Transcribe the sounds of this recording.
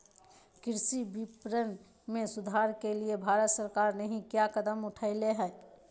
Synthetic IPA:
kɪɾsibipɾən | mẽsʊd̪ʱaːɾkeliebʱaːɾət̪səɾkaːɾnəɦĩkjakəd̪əmʊʈʰaɪleɦɛː

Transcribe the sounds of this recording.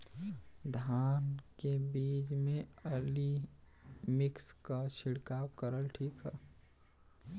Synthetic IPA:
d̪ʱaːnkebiːd͡ʒmẽəli | mɪkskaʃɪɽkaːwkəɾəlʈʰiːkɦɛ̰ː

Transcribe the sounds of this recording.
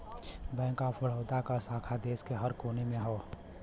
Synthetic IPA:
bɛ̃ːkapəɽ̤əːt̪akasaːkʰad̪eːskeɦəɾkoːnemẽɦoː

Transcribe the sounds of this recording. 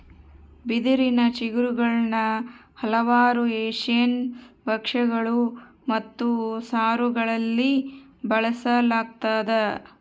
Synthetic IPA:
bid̪iɾinɐt͡ʃiɡɾuɡɐɭnɐhɐlɐʋaːɾueːʂjɐnbɐkʂɐɡɐɭu | mɐt̪ːusaːɾuɡɐɭɐlːibɐɭɐsɐlaːɡ̚t̪aːd̪ɐ

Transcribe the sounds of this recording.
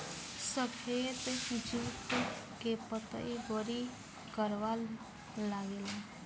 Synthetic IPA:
səkʰeːt̪d͡ʒuːt̪kepət̪a̰iboɾi | kəɾʋal | laːɡeːla

